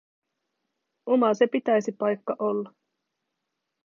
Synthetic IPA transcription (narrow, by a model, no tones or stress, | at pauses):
o̞mɑse̞pit̪æjsipɑjkːɑʔo̞lːɑ